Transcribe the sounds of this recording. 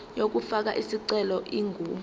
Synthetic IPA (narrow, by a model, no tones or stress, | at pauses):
jok̬ufak̬aʔisiǀɛlɔʔiːŋɡuː